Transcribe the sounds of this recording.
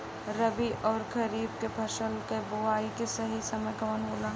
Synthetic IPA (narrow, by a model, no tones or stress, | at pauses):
ɾɐbiʔɔːɾɡɐɾiːb̚kebʱɐʃəlkebʊaːikesɐɦisɐməjkɐʋənɦoːlaː